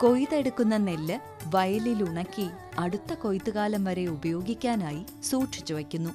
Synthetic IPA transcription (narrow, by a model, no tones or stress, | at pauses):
ko̞jiðe̞ɽukːunːɐnelːɨ | ʋɐjɐliluɳɐkʲːi | ɐɽut̪ːɐko̞jit̪ːɨɣaːlɐmʋɐɾe̞ubɐjo̞ːɡikʲːaːnaːji | suːʈʂi̥t͡ɕːuʋɐkʲːunːu